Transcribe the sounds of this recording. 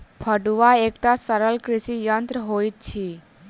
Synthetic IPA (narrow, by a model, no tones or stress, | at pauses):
pʰəɖuʋaeːkt̪asəɾəlkɾɪsijənt̪ɾəɦoit̪̚t͡ʃʰi